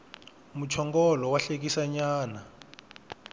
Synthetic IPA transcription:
mut͡ʃʰɔŋɡɔlɔwaɬek̬isaɲaːna

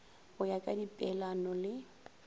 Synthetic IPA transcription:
ʊjakʼadipʼɛlanɔlɪ

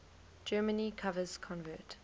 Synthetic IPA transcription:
d͡ʒɜːmənikʰavəz̥kʰɔ̃nvət

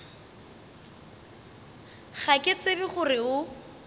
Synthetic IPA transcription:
χakʼɪt͡sebɪχʊrɪʊ

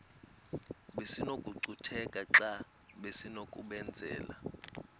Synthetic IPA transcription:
ɓesinokʼuǀutʰɛkʼaa | ɓesinokʼuɓɛnd͡zʱɛ̰ːla̰

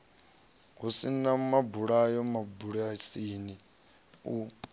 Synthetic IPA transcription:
ɦusinamabuɺajɔmabuɺasini | u

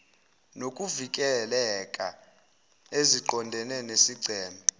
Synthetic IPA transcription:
nokʼuvikʼɛlɛkʼa̰ | eziǃɔndʱɛnɛnesiɡ͡ǀʱɛːmʱa

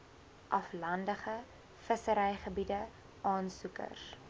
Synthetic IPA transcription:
ʔɐflɐndəχə | fəsəɾɛjχəbidə | ʔɑːnsukə̰r

